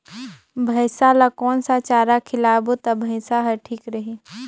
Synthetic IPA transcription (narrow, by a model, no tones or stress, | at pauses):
bʱɐɪsalakɔːnsat͡ʃaːɾakʰɪlaːbot̪ɐbʱɐɪsaɦɐɾʈʰiːkɾɐɦiː